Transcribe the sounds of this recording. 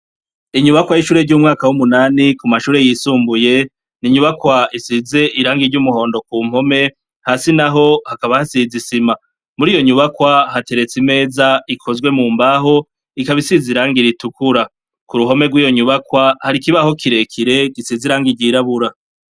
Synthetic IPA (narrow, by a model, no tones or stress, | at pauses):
iɲuβakwajiʃuːɾe̞ɾɟuːmŋaːkawumunaːnikumaʃuːɾe̞jisuːmbuje̞ | niɲuβakwaisize̞ʔiɾaːŋɡiɾɟumuho̞ːndo̞kuːm̥ho̞me̞ | haːsinaɦo̞hakaβahasizisima | muɾiːjoɲuβakwaɦate̞ɾe̞t͡sime̞ːzaikʰo̞zɡwe̞muːmbaɦo̞ | ikaβisiziɾaːŋɡiɾitukuɾa | kuɾuɦo̞me̞ɡwiːjo̞ɲuβakwahaɾikiβaho̞kʰiɾe̞kʰiɾe̞ɡisiziɾaːŋɡiɾɟiɾaβuɾa